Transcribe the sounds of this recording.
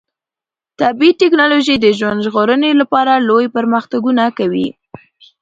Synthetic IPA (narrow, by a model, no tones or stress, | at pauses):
t̪abitɪknɑloʒijd̪əʒwand̪ʒɣoɾənelapɑɾalojpəɾməxt̪aɡunakawḭ